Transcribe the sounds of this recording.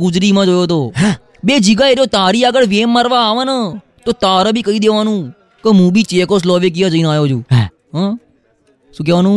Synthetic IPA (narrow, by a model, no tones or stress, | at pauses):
ɡʊd͡ʒɾiːmãːd͡ʒoːjoːt̪oː | beːd͡ʒiɡaːeɾjoːt̪aːɾiːəɡəɽʋeːmːəɾʋaaːʋəːnə | t̪oːt̪aːɾãːbʱiːkəiːd̪eːʋaːnũː | kəmũːbʱiːt͡ʃeːkoːs̬loːʋeːk̬ijãːd͡ʒəiːnaːjoːd͡ʒũː | ɦəː | sũːk̬ɛːʋaːnũː